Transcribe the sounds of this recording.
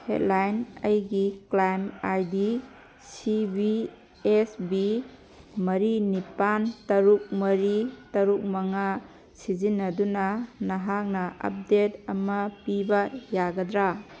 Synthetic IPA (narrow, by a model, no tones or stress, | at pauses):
hḛt̚lajnɐjɡiklajmajdi | sibi | esbi | mɐɾinipantɐɾuk̚mɐɾitɐɾuk̚mɐŋa | sizinːɐdunɐnɐɦak̚nɐɐ̰p̚detɐmɐpibɐjaɡɐdɾa